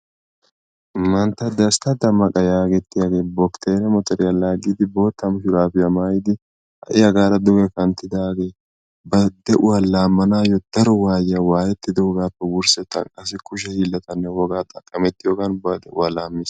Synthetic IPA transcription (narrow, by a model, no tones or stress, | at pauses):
mɐnt̪ɐd̪ɐst̪ɐd̪ɐmɐkʼɐjaːɡɛt̪ːɪjaɡeːbɔkt̪ʰeːɾɛmɔt̪ɔɾɪjɐlːaːɡiːd̪ɪbo̞ːt̪ːɐmʊʃʊɾaːfɪjɐmaːjɪd̪ɪ | hɐ̰ʔɪjɐɡaːɾɐd̪ʊɡɛkɐnt̪ɪd̪aːɡeː | bɐd̪ɛʔʊwɐlaːmːɐnaːjɔd̪̥ɐɾɔwaːjɐwaːjɛt̪ːɪd̪ɛwɔɡaːpːɛwʊɾsɛt̪ːɐ̰kʼːɐs̬ɪkʊʃɛhiːlːɐt̪ɐnːɛwɔɡaːt̪ʼɐkʼːɐmɛt̪ːɪjoɡɐnbɐd̪ɛʔʊwɐlaːmːɪs